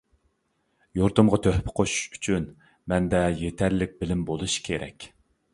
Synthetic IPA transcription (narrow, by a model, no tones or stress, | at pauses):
joɾt̪ʊmʁɑt̪ʰøhpʰɪ̥qʰoʃu̥ʃy̥t͡ʃʰyn | mɛnd̪ɛjet̪ʰæɾlɪk̚ʲbɪlɪmbolˠuʃkʲʰeɾɛ̰kʲ